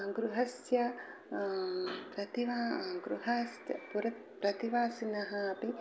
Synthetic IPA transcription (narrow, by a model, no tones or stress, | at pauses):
ɡɾuɦɐsjɐ | pɾɐt̪iʋaːɡɾuɦɐsɐpuɾɐt̪̚ | pɾɐt̪iʋaːsinɐɦɐɐpi